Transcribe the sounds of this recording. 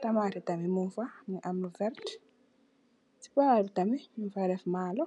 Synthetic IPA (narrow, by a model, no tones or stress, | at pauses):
t̪amaːtɛtamimunfamiʔamuvɛɾt | si̥paɾutamimnfaɾɛfmaːlɔ